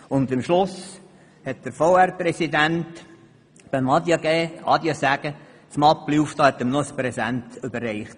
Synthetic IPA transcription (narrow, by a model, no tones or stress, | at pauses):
ʊndɪmʃlʊs | hɛt̚d̥̪əɾfɔwærpɾɛsid̪ænt | b̥ɛmɑd̪jɑɡɛːʔɑ̰d̪jɑsæɡ̥ə | t͡smɑpːluːfd̥̪ɑːhɛt̪ːəmnɔəspɾɛsæntʏbərːɛɪχt